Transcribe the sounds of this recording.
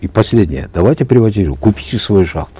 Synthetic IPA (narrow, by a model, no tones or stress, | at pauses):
ipɐsʲlʲedʲnʲɪjə̰d̪ɐvajtʲɪpɾʲɪvɐt̪ʲiɾɨkupʲi̥tʲɪsvojuʂa̰χt̪ʊ̥